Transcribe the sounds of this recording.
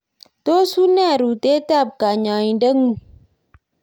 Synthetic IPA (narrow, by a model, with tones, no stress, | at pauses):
to˦su˦na˦˨ɾu˨te˦ta˦˨b̚ka˨ɲa˨i˨dɐ˦ŋu˨